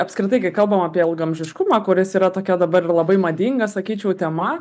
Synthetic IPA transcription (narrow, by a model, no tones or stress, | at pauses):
ɐpskɾʲɪt̪ɐɪkɐɪkɐlˠbɐmɑːpʲiɛɪlˠɡɐmʲʒʲɪʃkʊmɑːkʊɾʲɪsiːɾɐt̪oːkʲɛd̪ɐbɐɾɪrlˠɐbɐɪmɐd̪ʲiŋɡɐsɐkʲiːt͡ʃʲɛʊt̪ʲɛmɐ